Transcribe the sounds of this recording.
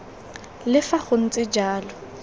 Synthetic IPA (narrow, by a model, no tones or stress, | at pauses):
lɪfaχʊn̩t͡sʼɪd͡ʒaːlʊ